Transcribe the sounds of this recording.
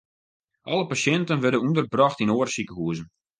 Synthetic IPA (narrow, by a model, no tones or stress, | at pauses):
ʔɑləpasɛntənʋɛrdənundərbrɔxtinoːərsikəɦuəzən̩